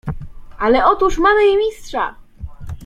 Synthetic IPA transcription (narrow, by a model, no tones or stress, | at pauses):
alɛɔt̪uʂmamɘjɛmʲistʂa̰